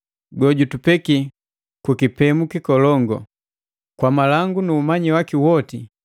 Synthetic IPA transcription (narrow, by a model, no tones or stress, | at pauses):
ɡɔɟutupɛki | kukipɛmukikɔlɔŋɡɔ̰ | kwamalaŋɡunuːmaɲiwakiwɔti